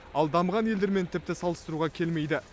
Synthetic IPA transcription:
ɑlˠd̪ɑmʁɑnje̞ld̪e̞ɾme̞nt̪ʰɪp̚t̪ɪsɑlˠəst̪əɾuʁɑkʲʰe̞lme̞jd̪ɪ

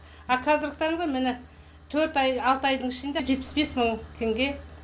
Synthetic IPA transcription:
ɑqʰɑzɪɾkt̪ʰɑɾəɴzɑmɪnɪ | t̪ʰɵɾt̪ɑjɑlˠt̪əɑjd̪əɴɪʃɪnd̪eʒe̞t̪̚pɪ̥sbe̞sməɴt̪ʰe̞ŋɡʲe̞

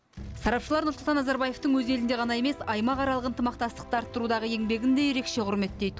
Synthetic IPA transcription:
sɑɾɑpʃəlˠɑɾnʊɾslˠt̪ɑnɑzɑɾbɑje̞ft̪əŋwɵze̞lɪnd̪e̞ʁɑnɑe̞me̞sɑjmɑqɑɾɑlˠəqənt̪əmɑq̚t̪ɑst̪ə̥q̚t̪ɑɾt̪ːəɾud̪ɑʁəe̞ŋbe̞ɡʲɪnd̪e̞jeɾe̞kʃe̞qʰʊɾme̞t̪d̪e̞jd̪ɪ

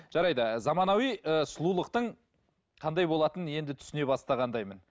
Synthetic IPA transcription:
ʒ̥ɑɾɑjd̪ɑzɑmɑnɑwijəsʊlˠulˠəqt̪əɴ | qʰɑnd̪ɑjbo̞lˠɑt̪ənje̞nd̪ɪt̪ʰʏ̥sɪne̞bɑst̪ɑʁɑnd̪ɑjmən

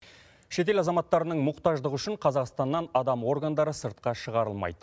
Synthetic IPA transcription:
ʃe̞t̪̬e̞lɑzɑmɑt̪ːɑɾənəɴmʊqt̪ɑʒd̪əʁʏʃɪɴqʰɑzɑqst̪ɑnːɑnɑd̪ɑmwo̞rɡand̪ɑɾəsəɾt̪̚qɑʃəʁɑɾəlˠmɑ̰jd̪ə

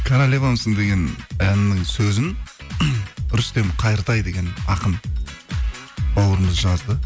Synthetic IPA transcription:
kʲʰaɾalʲevamsəŋd̪e̞ɡʲe̞nænɪnɪŋsɵzɪn | ʏɾʏst̪e̞mqʰɑjəɾt̪ɑjd̪e̞ɡʲe̞nɑqəm | bɑwəɾəməzʒɑzd̪ə

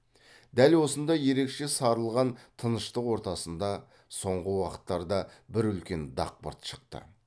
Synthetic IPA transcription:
d̪̥ælwo̞sənd̪ɑje̞ɾe̞kʃe̞sɑɾəlˠʁɑnt̪ʰənəʃt̪əqwo̞ɾt̪ɑsənd̪ɑ | so̞ɴʁəwɑqə̥t̪ːɑɾd̪ɑbɪɾʏlkʲe̞nd̪ɑ̰q̚pə̰ɾt̪ʃə̥q̚t̪ə̰

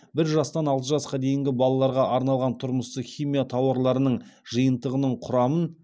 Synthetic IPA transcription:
bɪɾʒɑst̪ɑnɑlˠt̪əʒɑsqɑd̪e̞jɪŋɡʲɪbɑlˠɑlˠɑɾʁɑʔɑɾnɑlˠʁɑnt̪ʰʊɾməst̪əχʲijmijat̪ʰɑwɑɾlˠɑɾənəɴʒəjənt̪əʁənəɴqʰʊɾɑmən

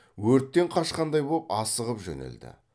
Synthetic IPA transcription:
wɵɾt̪ːe̞ɴqʰɑʃqɑnd̪ɑjbolˠpɑsəʁəpʒɵ̰nɪ̰ld̪ɪ̰

